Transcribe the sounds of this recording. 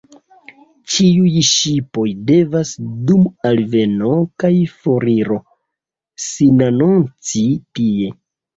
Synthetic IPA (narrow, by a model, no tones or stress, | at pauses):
t͡ʃiujʃipo̞jde̞vasdumalve̞nokajfoɾiɾo̞ | sinanont͡sitie̞